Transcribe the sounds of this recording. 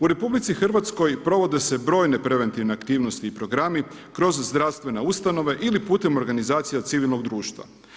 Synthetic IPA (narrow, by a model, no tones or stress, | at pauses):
uɾe̞publit̪sixr̩ʋat̪sko̞jpɾo̞ʋo̞d̪e̞se̞bɾo̞ːjne̞pɾe̞ʋe̞nt̪iʋne̞akt̪iːʋno̞st̪iːpɾo̞ɡɾami | kɾo̞zzd̪ɾafst̪ʋe̞neust̪ano̞ʋe̞ʔilipuːt̪e̞mo̞ɾɡanizaːt̪sijat̪siʋilˠno̞ɡd̪ɾuːʃt̪ʋa̰